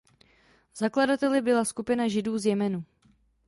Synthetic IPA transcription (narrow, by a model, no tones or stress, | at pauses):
z̥akladat̪ɛlɪbɪlaskupɪnaʒɪduːzjɛmɛnu